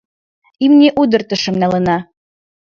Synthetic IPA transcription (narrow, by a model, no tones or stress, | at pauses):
imnʲeʔud̪ɤ̆rt̪ə̆ʃɤ̆mnælə̆nɑ